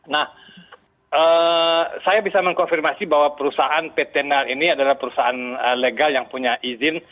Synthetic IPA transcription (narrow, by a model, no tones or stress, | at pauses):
nah | ʔə | sajabisaməŋkɔnfirmasibawapəɾusaʔanpet̪ɛnɛliniadalahpəɾusaanəleɡaljaŋpuɲaʔizɪn